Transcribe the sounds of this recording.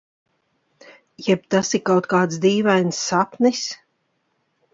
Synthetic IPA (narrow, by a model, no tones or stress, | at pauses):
jɛb̚t̪asikawt̪kaːt̪sd̪iːvajnsːapnis